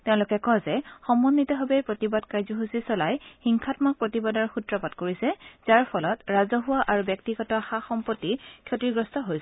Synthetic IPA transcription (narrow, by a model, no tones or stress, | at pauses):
teʊ̃lukɛkɔzɛxɔmɔnːitɔɦɔbejpɹotibadkajzɔɦusisɔlajxiŋkʰatmak̚pɹotibadɔɹxutɹɔpadkoɹisɛz̥aɹpʰɔlɔtɹazɔɦuwaʔaɹubjɔk̚tiɡɔtɔxaxɔmpotːikʰjotiɹɡɹɔstɔɦojs